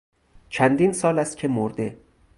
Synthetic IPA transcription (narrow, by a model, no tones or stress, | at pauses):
t͡ʃʰænd̪iːnsɒːlæst̪̚cʲʰe̞moɾd̪e